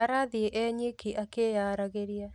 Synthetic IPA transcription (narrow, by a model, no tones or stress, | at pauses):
aɾaðieʔɛɲikiʔakejaːɾaɣeɾia